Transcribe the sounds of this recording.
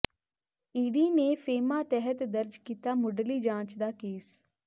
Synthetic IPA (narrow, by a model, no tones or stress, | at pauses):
iːɖiːneːpʰeːmaːt̪ɛɦət̪d̪əɾd͡ʒkiːt̪aːmʊɖliːd͡ʒãːt͡ʃd̪aːkeːs